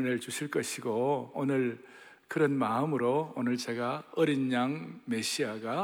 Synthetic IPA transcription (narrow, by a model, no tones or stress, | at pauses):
net͡ɕuɕʰiɭk͈ʌɕʰiɡoonɯɭ | kɯɾʌnmaɯmɯɾoonɯɭt͡ɕe̞ɡaʌɾinɲaŋme̞ɕʰiaɡa